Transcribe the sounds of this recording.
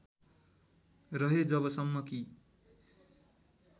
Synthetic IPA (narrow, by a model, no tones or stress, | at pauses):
rʌɦed͡zʌβʌsʌmːʌki